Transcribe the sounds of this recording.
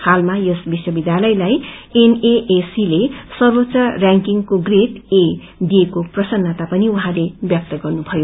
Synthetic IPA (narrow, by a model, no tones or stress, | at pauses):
halmajosbiswʌbid̪jalʌjlajeneʔesilesʌrbʌtsaraŋkiŋkoɡreʈe | d̪ijekoprʌsʌnːʌt̪apʌniuɦãlebjʌk̚t̪ʌɡʌrnubʱʌjo